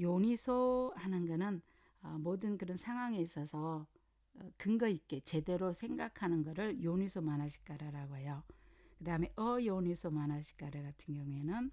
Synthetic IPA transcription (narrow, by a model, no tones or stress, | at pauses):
joɲisʰohanɯnɡʌnɯn | ʌmodɯnkɯɾʌnsʰaŋɦwaŋes͈ʰʌsʰʌ | kɯnɡʌik̚k͈e̞t͡ɕe̞de̞ɾosʰe̞ŋɡakʰanɯnɡʌɾɯɭjoɲisʰomanaɕʰi̥k͈aɾaɾaɡoɦe̞jokɯdaɦɯme̞ʔʌjoɲisʰomanaɕʰi̥k͈aɾaɡatʰɯnɡjʌŋuenɯn